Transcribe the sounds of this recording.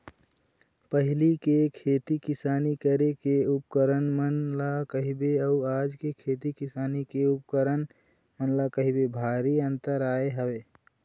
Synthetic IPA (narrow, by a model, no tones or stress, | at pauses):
pəɦlikekʰeːt̪ikɪsaːnikəɾekeup̚kəɾənmənlakəɦibeəuaːd͡ʒkekʰeːt̪ikɪsaːnikeup̚kəɾən | mənlakəɦibebʱaːɾiə̃nt̪əɾaːeɦəweː